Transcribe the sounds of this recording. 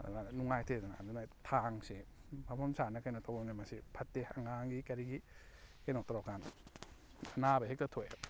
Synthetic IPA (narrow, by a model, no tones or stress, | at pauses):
anuŋajtʰezana̰a̰dunajtʰaŋsibʰamʰamsanakajnɔtʰawonamasipʰatːehaŋaŋɡikaɾiɡi | kajnɔwtɔɾɔkan | anabaɦektatʰoj